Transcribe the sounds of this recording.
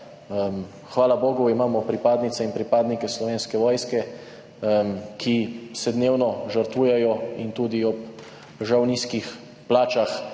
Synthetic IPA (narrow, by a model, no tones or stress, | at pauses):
m | xʋaːlaboːɡuimaːmɔpɾipaːd̪nit̪sɛinpɾipaːd̪nikɛslɔʋeːnskɛʋɔːjskɛ | kʰisɛd̪neːwnɔʒəɾt̪ʋuːjɛjɔint̪uːd̪iɔp̚ | ʒawniːskix | plaːt͡ʃax